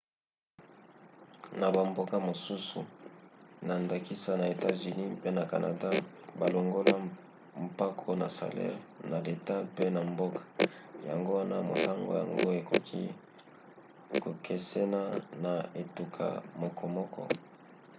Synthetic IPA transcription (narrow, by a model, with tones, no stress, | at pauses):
na˨ba˨mbo˦ka˦mo˨su˦sṵ˨ | na˨nda˨ki˦sa˦na˨e˨ta˦zy˨ni˦pe˦na˨ka̰˨nʔa̰˨da˦ | ba˨lo˨ŋɡo˦la˦ | m̩pa˦kʰo˦na˨sa̰˨lɛ̰˦ʁna˨le˨ta˦pe˦na˨mbo˦kḁ˨ja̰˨ŋɡo˦wa˦na˦mo̰˨ta˦ŋɡo̰˦ja̰˨ŋɡo˦e˨ko˨kʰi˦ | ko˨kʰe˨sɛ˦na˦na˨e˨tu˨kʰa̰˨mɔ˨kʰɔ˨mɔ˦kʰɔ̰˦